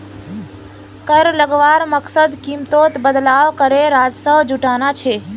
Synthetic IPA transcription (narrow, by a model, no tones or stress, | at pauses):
kəɾləɡʋaːɾməksəd̪kimt̪oːt̪bəd̪laːʋkəɾeɾaːd͡ʒsəʋd͡ʒuʈaːnat͡ʃʰeː